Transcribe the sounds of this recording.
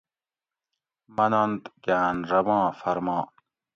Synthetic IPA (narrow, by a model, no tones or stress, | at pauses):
mɐnɐnd̪ɡaːnɾɐmɑ̃ːfɐɾmɑ̃ː